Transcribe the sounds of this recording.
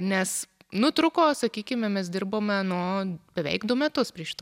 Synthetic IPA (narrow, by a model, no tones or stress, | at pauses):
nʲɛs | nʊt̪ɾʊkoːsɐkʲiːkʲɪmʲɛmʲɛs̬d̪ʲɪrboːmʲɛnuɔb̥ʲɛʋʲɛ̰ɪkd̪ʊmʲɛt̪ʊspʲrʲiɛʃʲt̪